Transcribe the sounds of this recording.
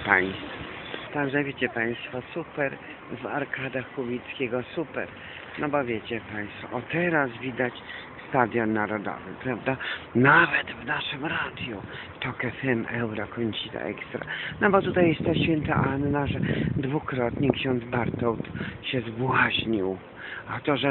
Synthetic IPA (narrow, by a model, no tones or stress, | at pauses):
paj̃stt̪fɔt̪aɡʐɛvʲjet͡ɕɛpaj̃st̪fɔsupɛɾ | va̰ɾkʰad̪axkubʲit̪skʲeɡɔsupɛ̰ɾ | nɔbɔvʲjet͡ɕɛpaj̃st̪fɔ̰ʔɔt̪ɛɾasvʲid̪at͡ɕ | st̪ad̪ʲjɔnːaɾɔd̪ɔ̰vɨpɾavd̪anavɛt̪vnaʂɨmɾad̪ʲju | t̪ɔkɛfɛmɛwɾɔkɔɲt͡ɕit̪a̰ʔɛ̰kst̪ɾa̰nɔbɔt̪ut̪ajɛst̪t̪aɕfʲɛnt̪a̰ʔanːaʐɛd̪vukɾɔt̪ɲɛkɕɔnd̪zbaɾt̪ɔwt̪ɕɛzbwaʑɲiw | at̪ɔʐɛ